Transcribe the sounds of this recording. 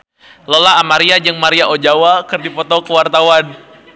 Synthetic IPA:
lolaːmaɾiad͡ʒɨŋmaɾiaʔod͡ʒawakɨrdipɔt̪ɔkəwart̪awan

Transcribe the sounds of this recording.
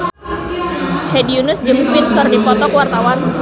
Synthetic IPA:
hediunʊsd͡ʒɨmbɪnkɨrdipɔt̪ɔkwart̪awan

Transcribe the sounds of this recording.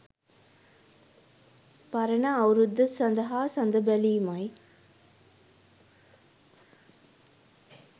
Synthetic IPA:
pɐɾɐnaːwɾud̪ːɐsɐnd̪ɐɦaːsɐnd̪ɐbɛliːmɐj

